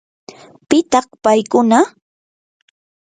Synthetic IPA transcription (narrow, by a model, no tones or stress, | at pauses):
pɪt̪ɑχpajkʊna